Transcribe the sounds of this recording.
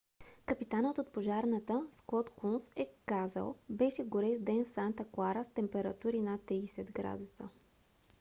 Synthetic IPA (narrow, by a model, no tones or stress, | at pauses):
kəpit̪anət̪ot̪̚poʒaɾnət̪əskɔt̪kunsɛkazə̰lˠbɛʃɛɡoɾɛʃd̪ɛnfsant̪əklˠaɾəst̪ɛmpɛɾɐt̪uɾinat̪ːɾiːsɛd̪ɡɾa̰d̪usə̰